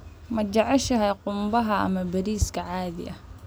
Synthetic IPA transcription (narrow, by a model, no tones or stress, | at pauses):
mɐt͡ʃɐʕɛʃɐɦɛjqʊmbɐɦɐɐ̰mɐbɐɾiːskʰɐʕaːðɪ̰ʔɐ